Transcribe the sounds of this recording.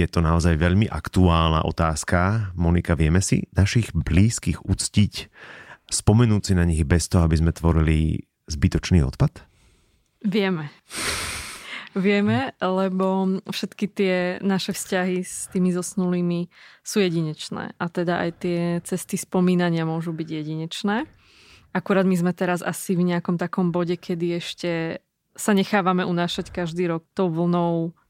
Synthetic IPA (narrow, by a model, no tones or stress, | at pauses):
jɛt̪ɔnaɔzajʋɛʎmiʔa̰kt̪uaːlna̰ʔɔ̰t̪aːskamɔnikaʋɪɛmɛsḭnaʃiɣbliːskiɣut͡scic | spɔmɛnuːt͡sinaɲiɣbɛst̪ɔɦɔabizmɛt̪ʋɔɾilḭ | zbit̪ɔt͡ʃniːɔ̰t̪pat̪ | ʋɪɛmɛ | ʋɪɛmɛlɛbɔfʃɛt̪kit̪ɪɛnaʃɛfscaɦist̪iːmizɔsnuliːmisuːjɛɟiɲɛt͡ʃnɛ̰ːʔat̪ɛd̪aʔa̰jt̪ɪɛt͡sɛst̪ispɔmiːnaɲɪamʊɔʒubiɟjɛɟiɲɛt͡ʃnɛː | akuɾaːd̪mizmɛt̪ɛɾaza̰sivɲɛakɔmt̪akɔmbɔɟɛkʰɛd̪iɛʃcɛ | saɲɛxaːʋamɛunaːʃackaʒd̪iːɾɔk̚t̪ɔʊʋl̩nɔʊ